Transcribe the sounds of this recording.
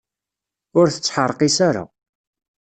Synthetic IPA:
ʊɾθə̥t͡sːħəɾˤqisaɾa̰

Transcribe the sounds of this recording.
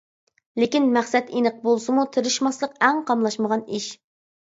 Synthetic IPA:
lekʲinmæχsɛt̪inəq̚bolˠsɨmut̪ʰɪɾɪʃmɑslˠəqɛŋqʰɑmlˠɑʃməʁɑniʃ

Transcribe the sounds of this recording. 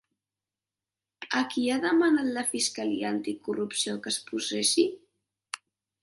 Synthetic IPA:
əkiaðəmanat̪ləfiskəliəːnt̪ikurupsiokəspusɛsi

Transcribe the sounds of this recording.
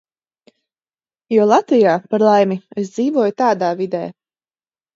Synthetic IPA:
jɔlˠat̪vijaːpaɾlˠajmies̬d̪ziːvuɔjut̪aːd̪aːvid̪ɛ̰ː

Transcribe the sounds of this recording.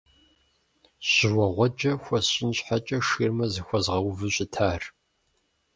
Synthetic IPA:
ɕɪwɔʁʷɔd͡ʒɐxʷɔsɕʼɪnɕħat͡ʃʼɐʂiːrmɐzɨxʷɔzʁɐwvɨɕʼɪtʰaːr

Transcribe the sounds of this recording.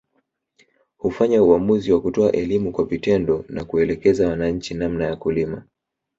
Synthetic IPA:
hufaɲauamuziwakutɔaʔɛlimukwavitɛndɔnakuɛlɛkɛzawanaɲ̩t͡ʃinamnajakulima

